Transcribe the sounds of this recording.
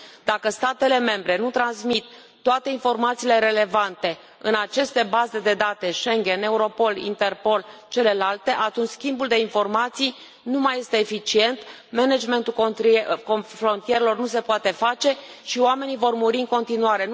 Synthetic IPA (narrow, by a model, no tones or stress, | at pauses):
d̪akəst̪at̪e̞le̞me̞mbɾe̞nut̪ɾansmit̪ː | oat̪e̞info̞rmat̪siːle̞ɾe̞le̞vant̪e̞ | ɨnat͡ʃe̞st̪e̞baze̞d̪e̞d̪at̪e̞ʃe̞ŋɡʲe̞ne̞uɾo̞po̞lḭnt̪e̞rpo̞lt͡ʃe̞le̞lalt̪e̞ʔat̪unt͡ʃʲskʲimbuld̪e̞info̞rmat̪sij | numaje̞st̪e̞ːfit͡ʃie̞nt̪ | mened͡ʒme̞nt̪ulkofɾo̞nt̪ijeɾelo̞rnus̬e̞poat̪e̞fat͡ʃe̞ | ʃioame̞nivo̞rmuɾiɨŋko̞nt̪inuaɾe̞n